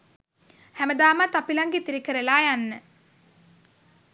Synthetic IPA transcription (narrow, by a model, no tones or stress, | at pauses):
hæməd̪aːmat̪apilaŋɡet̪iɾikəɾəlaːjanːə